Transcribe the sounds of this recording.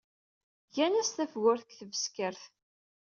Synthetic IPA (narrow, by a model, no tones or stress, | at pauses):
ʝænæst̪æfɣʊɾθkθəvəskəɾθ